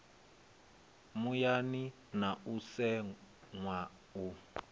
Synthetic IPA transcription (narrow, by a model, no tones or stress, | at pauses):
mujani | nausɛŋwa | u